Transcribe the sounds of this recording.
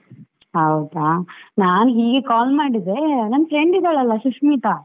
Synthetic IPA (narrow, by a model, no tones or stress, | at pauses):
hɐwd̪aːnaːnɦiːɡekaːlmaːɽid̪e̞nɐnːfɾeɳɖid̪aːɭɐlːɐʃuʂmiːt̪a